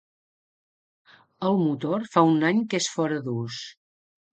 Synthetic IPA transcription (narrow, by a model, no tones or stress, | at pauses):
əlˠmut̪oɾfaunaɲkesfɔɾəðus